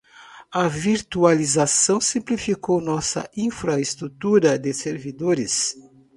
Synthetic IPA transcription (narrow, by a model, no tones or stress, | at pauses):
ɐviɾt̪ualizasɐ̃w̃sĩmplifikownɔsɐ̰ĩfɾɐest̪ɾut̪uɾɐd̪ɪseɾvid̪oɾɪs